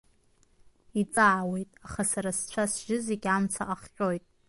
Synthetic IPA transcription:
it͡sʼaʕawe̞jtʼaχasaɾast͡ɕʷʰasʒɪzeɡʲamt͡sʰaʔaχχʲʼo̞jtʼ

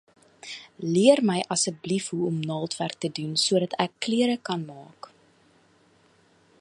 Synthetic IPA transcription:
liərməjʔɐsək̚blifɦuɔmnɑːlˠtværk̚tədunsuəɾɐtækːliəɾəkɐnmɑːk

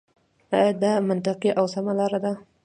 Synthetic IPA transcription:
ɑjd̪amant̪ɪqiʔawsamalɑɾad̪a

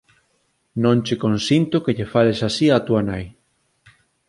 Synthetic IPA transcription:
nõnt͡ʃekõnsint̪ʊkeʎefalesasiat̪uanaj

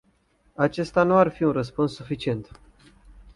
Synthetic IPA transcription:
at͡ʃe̞st̪anuarfiunrəspunsːufit͡ʃie̞nt̪

